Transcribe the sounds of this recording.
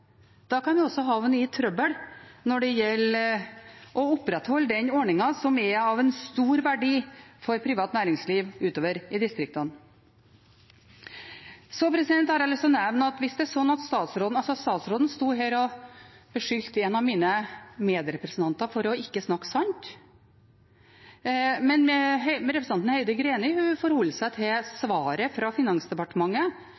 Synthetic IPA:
d̪̥ɑːkɑnʋɪɔsɔɦɑːʋɛnːyːt̪ʰɾœbəɽnɔɖɛjɛlː | ʔɔʊpɾɛt̪hɔlːəd̪ɛnɔɳɪŋɑsɔmɛɑʋɛnst̪uːɾʋæɖiːfɔɾpʰɾɪːʋɑːt̪næːɾɪŋsliːʋʉːt̪oːʋəɾɪd̪ɪst̪ɾɪk̚t̪ɑn | sɔpʰɾɛsɪd̪ɛnt̪hɑɾɑlɪsɔnɛʋnɑt̪ʋɪsd̪ɛæɾʂɔnːɑt̪st̪ɑːt̪sɾoːd̪nɑlsɔst̪ɑːt̪sɾoːd̪n̩st̪uːɦeːɾɔb̥əʂʏlt̪ɛnɑʋmiːnəmeːd̪ɾɛpɾəsnt̪ʰɑnt̪ɑfɔɾɔɪkːəsnɑkːsɑnt̪ | mɛnmɛɦmɛɾɛpɾsɑnt̪n̩heɪd̪əɡɾeːnɪhʉfɔɾhɔlːsæɪt̪ʰɪsʋɑːɾəfɾɑfɪnɑŋsd̪ɛpɑʈəmɑŋːə

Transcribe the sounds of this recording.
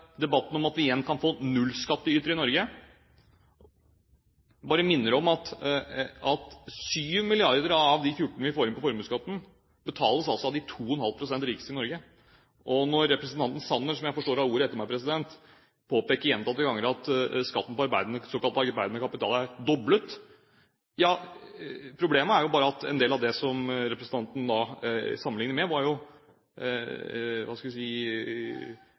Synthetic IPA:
d̪ɛbɑt̪ːn̩ɔmɑt̪ʋɪjɛnːkʰɑnfoːnʉlːskɑt̪ːəyːt̪ɾəɪnɔɾɡə | bɑːɾəmɪnːəɾɔmɑt̪ | ɑt̪syːʋmɪlɪɑɾd̪əɾɑʋd̪ɪfjʊʈːɳəʋɪfoːɾɪnpɔfɔɾmʉːskɑt̪ːn̩ | bət̪ʰɑːləsɑlsɔɑʋd̪ɪt̪ʰuːɔnhɑlpʰɾʊsɛnt̪ɾiːksɪnɔɾɡə | ʔɔnɔɾːɛpɾɛsənt̪ɑnt̪n̩sɑnːəɾsɔmjæɪfɔʂʈoːɾɑʋuːɾəɛt̪ːəɾmæɪpʰɾɛsɪd̪ɛnt̪ | pʰoːpeːkəɾjɛnt̪ɑt̪ːəɡɑŋːəɾɑt̪skɑt̪ːn̩pɔɑɾbæɪd̪ənəsoːkɑlt̪ɑːɡəɾbæɪd̪ənəkʰɑpɪt̪ʰɑ̰ːlæɾd̪ɔblət̪ | jɑː | pʰɾʊbleːməæɾjʊbɑːɾəɑt̪ɛ̰nd̪eːlɑʋd̪ɛsɔmɾɛpɾəsn̩t̪ɑnt̪n̩d̪ɑsɑmənlɪŋnəmɛʋɑɾjʊ | ʋɑskɑʋ̪ɛsiː

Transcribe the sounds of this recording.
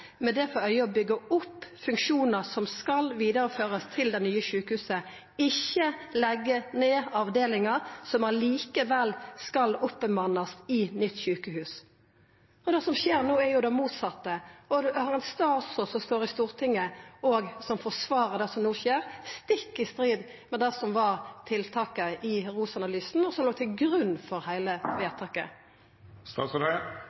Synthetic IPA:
mɛd̪ɛfɔœʏəɔbʏɡːəʊpːfʉŋkʃuːnəɾsɔmskɑlʋiːd̪əɾəføːɾəst̪ʰɪld̪ɛnyːəɕʉːkəhʉːsə | ɪçːəlɛɡːəneːɑʋd̪eːlɪŋɑsɔmæliːkəʋɛlskɑlʊpːəmɑnːɑsɪnʏt̪ːɕʉːkəhʉːs | ɔd̪ɛsɔmʃeːɾnuːæɾjʊd̪ɛmuːt̪sɑt̪ːəɔhɑʁɛnst̪ɑːt̪sɔsɔmst̪oːɾɪst̪uːʁt̪ʰɪŋːəɔːɡsɔmfɔsʋɑːɾəd̪ɛsɔmnuːʃeːʁst̪ɪkːɪst̪ʁiːd̪ | mɛd̪ɛsɔmʋɑʁt̪ʰɪlt̪ʰɑːkəɪʁuːsɑnɑlyːsn̩ɔsɔmloːt̪ʰɪlɡɾʉnːfɔɾhæɪləʋeːt̪ʰɑːkə̰ | st̪ɑːst̪

